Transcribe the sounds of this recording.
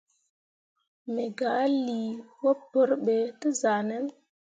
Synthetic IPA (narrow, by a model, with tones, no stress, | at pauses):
me˨ɡa˨˦li˨wo˦pːə˦ɾɓe˨tə˦za˨nɛ˦n